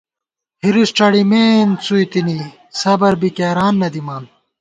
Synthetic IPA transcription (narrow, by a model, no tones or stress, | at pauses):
hiɾisʈ͡ʂɐɽimeːnt͡suit̪ini | sɐbɐɾbikeɾaːnːɐd̪imaːn